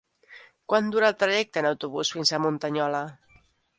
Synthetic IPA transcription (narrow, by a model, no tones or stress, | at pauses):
kwand̪uɾalˠt̪ɾaʒɛk̚t̪ənawt̪uβusfinsamunt̪aɲɔla